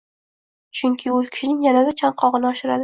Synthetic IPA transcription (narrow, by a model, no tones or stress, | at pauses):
t͡ʃʰʊŋkʲʰɪʊlkʲʰɪ̥ʃɪnɪŋjanad̪at͡ʃʰaɴqʰɒʁɨnɪɒʃɪɾad̪ɪ